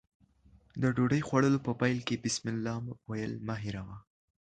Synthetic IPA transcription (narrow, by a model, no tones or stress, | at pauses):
d̪əɖoɖəjxwaɽəlopəpajlkebɪsmɪlːɑmwajəlmaɦiɾawa